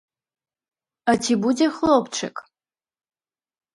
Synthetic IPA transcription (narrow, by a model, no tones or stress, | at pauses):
ɐtʰibudexlopʰʈ͡ʂʰɐ̰kʼ